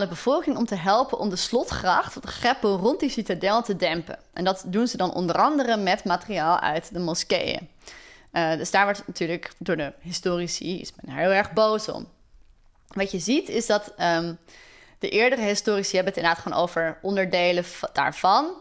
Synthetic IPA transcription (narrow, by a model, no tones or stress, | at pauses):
ləbəv̥ɔlˠkɪŋɔmtəɦɛlˠpənʔɔmdəslɔtχrɑχtdəχɛpəlˠrɔnt̚disitadɛlˠtədɛmpə̰nʔɛ̰ndɑtdunzədɑnʔɔ̰ndərɑndərəmɛtmaːtriaːlˠœ̰ɥtdəmɔskḛjə̰ | dɵzdaːɹʋɔɹtnatyːɹləkdʊːɹdəɦɪstoːrisiɪ̰smɛnəɦɪːlˠɛɹχbowsɔ̰m | ʋɑtjəzitɪsdɑt | d̥əʔɪːɹdərəɦɪstʊːrisiɦɛbəətɪndaːtχono̰wvəɹʔɔndəɹdejləda̰ːɹv̥ɑn